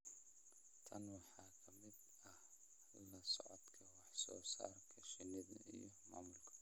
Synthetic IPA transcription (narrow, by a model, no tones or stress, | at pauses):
t̪ʰɐnwaħakʰɐmid̪ | ɐ | lɐsʊ̰ʕɔd̪kʰɐwaħsoːsa̰ɾkʰɐʃɪnid̪̰ɨ̰jomamulkʰɐ̥